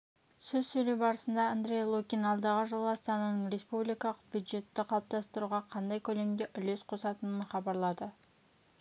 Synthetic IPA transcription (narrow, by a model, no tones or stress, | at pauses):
sɵzsɵjlewbɑɾəsənd̪ɑand̪ɾʲejlˠokʲinɑlˠd̪ɑʁəʒəlˠɑst̪ɑnɑnəɴrʲe̞spublijkɑlˠəq̚b̥jud̪ʒe̞t̪ːɪqʰɑlˠəp̚t̪ɑst̪əɾuʁɑqʰɑnd̪ɑjkʲʰɵle̞md̪eʔʏle̞sqʰo̞sɑt̪ənənχɑbɑɾlˠɑd̪ə